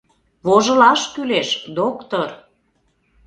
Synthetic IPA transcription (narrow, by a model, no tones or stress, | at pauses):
βoʒə̆lɑʃkyleʃd̪okt̪or